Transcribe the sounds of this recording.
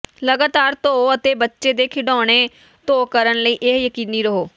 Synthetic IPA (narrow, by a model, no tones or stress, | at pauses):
ləɡaːt̪aːɾt̪oːət̪eːbətːʃeːd̪eːkʰɪɖɔːɽ̃eː | t̪oːkəɾənləiːʔɪɦjəkiːniːɾəɦoː